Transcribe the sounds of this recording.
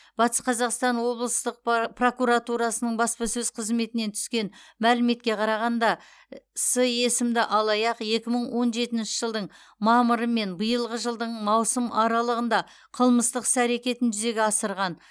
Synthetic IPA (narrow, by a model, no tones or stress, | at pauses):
b̥ɑt̪ə̥sqʰɑzɑqst̪ɑnwo̞blˠəst̪əq̚pro̞kuɾɑt̪uɾɑsənəɴbɑspɑsɵzqʰəzme̞t̪ɪne̞nt̪ʰʏ̥skʲe̞nmælɪme̞t̪̚kʲe̞qʰɑɾɑʁɑnd̪ɑ | səje̞sɪmd̪ɪʔɑlˠɑjɑqe̞kʲɪməɴwo̞nʒe̞t̪ɪnʃɪʒəlˠd̪əɴ | mɑməɾəme̞nbəjəlˠʁəʒəlˠd̪əɴmɑwsəmʔɑɾɑlˠəʁənd̪ɑ | qʰəlˠməst̪əqsæɾe̞kʲe̞t̪ɪnʒʏze̞ɡʲeɑsəɾʁɑn